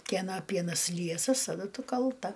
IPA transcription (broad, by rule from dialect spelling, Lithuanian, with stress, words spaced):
kʲiɛˈnɐ ˈpʲiɛnɐs ˈlʲiɛsɐs tɐˈdʊ ˈtʊ kɐlˠˈtɐ